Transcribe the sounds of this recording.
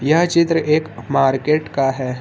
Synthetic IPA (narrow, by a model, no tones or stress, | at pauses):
jɐɦt͡ʃɪt̪ɾəʔeːkmaːɾkeːʈkaɦɛː